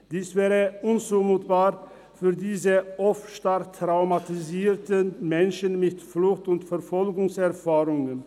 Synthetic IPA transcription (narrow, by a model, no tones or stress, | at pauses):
d̥iːsv̥ɛːʁəʔʊnt͡suːmuːtb̥aːʁ | fyːɐdiːzəʔɔfʃtaʁtʁ̥aʊmatiziːtənmɛnʃənmɪtflʊxtʊntfɛɐfɔlɡʊŋsɛʁfaːʁʊŋən